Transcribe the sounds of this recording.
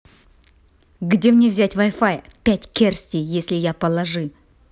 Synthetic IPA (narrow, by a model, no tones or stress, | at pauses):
ɡdʲe̞mnʲe̞vzʲætʲvajfajpʲætʲkʲe̞rsʲt̪ʲijje̞sʲlʲɪjapəlˠɐʐɨ